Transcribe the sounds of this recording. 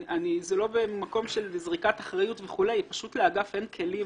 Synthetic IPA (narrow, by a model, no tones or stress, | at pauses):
anizelo̞bemako̞mʃelzʁikataχʁajutveχule̞jpaʃutleaɡafe̞nkʰe̞lim